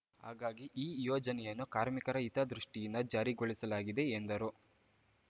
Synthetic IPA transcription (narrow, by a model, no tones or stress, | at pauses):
hɦa̰ːɡaːɡiʔiːjɔːd͡ʒɐnɛjɐnːukaːɾmikɐɾɐit̪ɐd̪ɾuʂʈijind̪ɐd͡ʒaːɾiɡoɭisɐlaːɡid̪e̞ːnd̪ɐɾu